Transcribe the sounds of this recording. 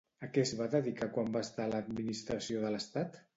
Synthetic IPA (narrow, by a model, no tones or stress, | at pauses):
əkɛzβaðəðikakwambast̪aləd̪minist̪ɾəsioðələst̪at̪